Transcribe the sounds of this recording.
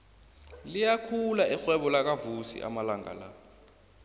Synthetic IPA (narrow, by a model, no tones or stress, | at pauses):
lijakʰulaixwɛɓɔlak̬avusḭʔa̰malaŋa̰la̰